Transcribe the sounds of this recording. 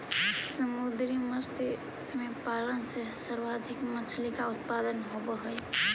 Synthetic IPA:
səmud̪ɾiməst̪ | smepalənsesəɾwad̪ʱikmət͡ʃʰlikaʊt̪̚pad̪ənɦobəɦəj

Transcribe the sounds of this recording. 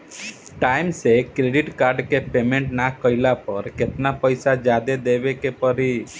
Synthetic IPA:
ʈajmsekɾeɖiʈkaɾɖkepemẽɳʈnakəjlapəɾket̪napəjsad͡ʒad̪ed̪ebekepəɾi

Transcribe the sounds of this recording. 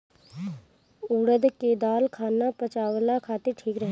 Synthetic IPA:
uːɽəd̪ked̪aːlkʰaːnapɐt͡ʃaːwlakʰaːt̪eɾʈʰiːkɾəɦe

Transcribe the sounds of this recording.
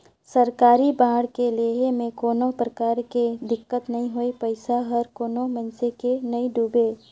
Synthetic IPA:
səɾkaːɾibãːɽkeleːɦemẽkoːnopɾəkaːɾked̪ɪkːət̪nɐɦĩɦoipəɪsaɦəɾkoːnomənsekenɐiɖuːbeː

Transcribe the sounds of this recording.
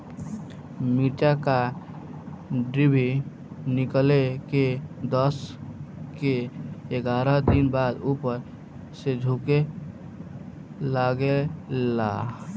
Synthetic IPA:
miʈaka | ɖɾibʱi | nikleked̪əs | keeɡaɾəɦd̪inbad̪upəɾ | sed͡ʒʱuke | laɡeː | a̰

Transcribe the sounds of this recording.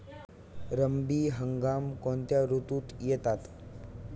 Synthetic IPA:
ɾəmbiːɦəŋɡaːmkõnt̪jaɾut̪uːt̪jet̪at̪

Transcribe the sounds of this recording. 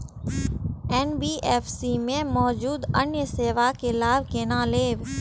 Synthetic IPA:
eːnbiːʔeːfsimẽmɔːd͡ʑuːd̪ənjəseːʋakelaːɪʋkeːnãːleːʋ

